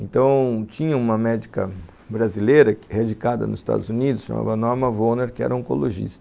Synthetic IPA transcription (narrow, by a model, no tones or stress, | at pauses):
ẽnt̪ɐ̃w̃t͡ʃĩɲɐũmɐmɛd͡ʒikɐ | bɾazilejɾɐkhed͡ʒikad̪ɐ̰nʊzɪst̪a̰d̪ʊzunid̪ʊsʃɐ̰ma̰vɐnɔɾmɐvoneɾkɪɛ̰ɾɐõko̰loʒḭst̪ɐɐ